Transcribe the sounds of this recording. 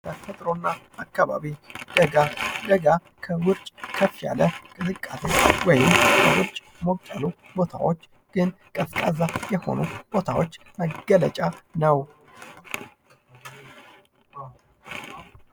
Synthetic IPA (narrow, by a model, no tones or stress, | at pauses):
kʰəfət̪ʼɾo̞nːa | akːaβa̰βid̪̥əɡad̪əɡa | kʰəwʊɾt͡ʃʼkʰəfja̰ləkʼɨzɨkʼːasewɔjɪmkʰəwʊɾt͡ʃʼ | mokt͡ʃʼːalu | bo̞t̪ʰa̰wot͡ʃː | ɡ̥ɨn | kʼəfkʼazajɛho̞̰nub̥o̞t̪ʰawot͡ʃː | məɡələt͡ʃʼanəw